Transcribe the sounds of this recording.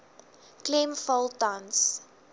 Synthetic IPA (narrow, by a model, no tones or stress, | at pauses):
klẽmfolˠtãns